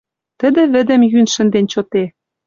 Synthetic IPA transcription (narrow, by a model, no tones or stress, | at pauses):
t̪ə̆d̪ɘ̆βɘ̆d̪ɘ̆mjynʃɘ̆nd̪enʲt͡ɕɤt̪e